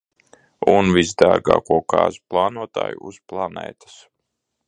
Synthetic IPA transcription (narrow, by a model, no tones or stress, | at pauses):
unvizd̪aɾɡa̰ːkuɔkɑ̰ːzuplˠɑːnuɔt̪a̰ːjuusplˠanɛ̰ːt̪ḁs